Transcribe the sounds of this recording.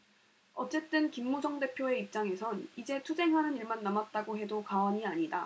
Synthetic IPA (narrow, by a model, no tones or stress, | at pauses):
ʌt͡ɕ͈e̞t͈ɯnkimːud͡ʑʰʌŋde̞pʰjoe̞ip̚t͡ɕ͈aŋe̞sʰʌnid͡ʑe̞tʰud͡ʑe̞ŋɦanɯniɭmanːamat̚t͈aɡoɦe̞dokaaɲiaɲida